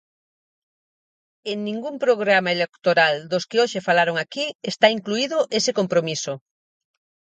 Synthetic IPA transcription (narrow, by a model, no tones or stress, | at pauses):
eŋnĩŋɡumpɾoɣ̞ɾamaelekt̪oɾald̪oskɪoʃefalaɾoŋakiest̪aiŋkluiðoʔesekompɾomiso